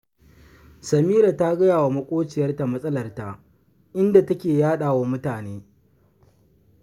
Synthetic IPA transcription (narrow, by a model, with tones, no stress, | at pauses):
sɐ˨miː˦ɾa˨ta˦ɡɐ˦jaː˨wa˨mɐ˦kʷʼoː˦t͡ʃɪ˨jɐ˦rta˨mɐ˦sʼɐ˦lɐ˨rta˨ | ʔɪ˦nda˨tɐ˦kʲeː˨jaː˦ɗaː˨waː˦mʊ˦taː˨neː˦